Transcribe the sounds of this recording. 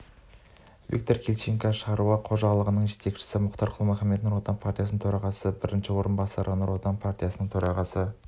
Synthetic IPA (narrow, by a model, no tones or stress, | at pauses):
vḭk̚t̪o̞rkʲʰe̞lʲt͡ʃeŋkɑʃəʁɑɾuɑqʰo̞ʒɑʁlˠəʁənəɴʒe̞t̪e̞kʃɪ̥sɪmʊqt̪ɑɾqʰəlˠəmæχɑme̞t̪nuɾot̪ɑnpʰart̪ijasnət̪ʰɵɾɑʁɑsəbɪɾɪnʃɪwo̞ɾənbɑsɑɾʔənuɾwo̞t̪ɑnpʰart̪ijasənəɴt̪ʰɵɾʔɑʁɑsə